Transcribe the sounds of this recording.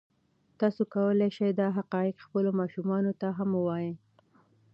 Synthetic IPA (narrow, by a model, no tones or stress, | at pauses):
t̪ɑsokawəleʃajd̪ɑɦaqɑjɪqxpəlomɑʃumɑnot̪aɦamwɑji